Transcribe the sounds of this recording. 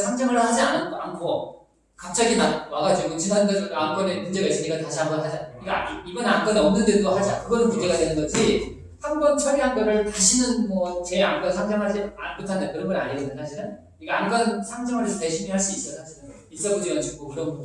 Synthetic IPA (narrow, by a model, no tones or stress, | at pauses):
sʰaŋd͡ʑʌŋɯɭhad͡ʑianɯnankʰo | kap̚t͡ɕ͈aɡimawaɡad͡ʑiɡot͡ɕinandʌamk͈ʌnemund͡ʑe̞ɡais͈ɯɲik͈ataɕʰihambʌnɦad͡ʑaiɡibʌnank͈ʌnʌmnːɯndɯdohad͡ʑiakɯɡʌnkud͡ʑeɡadwe̞nɯnɡʌɕʰi | hambʌnt͡ɕʰʌɾiɦanp͈ʌɾɯɭtaɕʰinɯnmʌt͡ɕeank͈ʌnsʰaŋd͡ʑaŋɦad͡ʑia̰nkutʰandakɯɾʌnɡʌɾa̰ɲiɡonɯnsʰaɕʰiɾɯn | iɡeank͈ʰʌnsʰaŋd͡ʑʌŋɯɭesʰʌteɕʰimiɦaɭs͈uis͈ʌsʰaɕʰiɾɯn | is͈ʌbud͡ʑeɡad͡ʑuɡokɯɾʌm